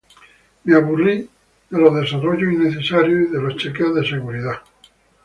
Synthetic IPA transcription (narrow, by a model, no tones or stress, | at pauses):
meaβuri | ðeloðe̞saroʝoinːe̞θe̞saɾjoiðe̞lost͡ʃekeoðe̞se̞ɣuɾiða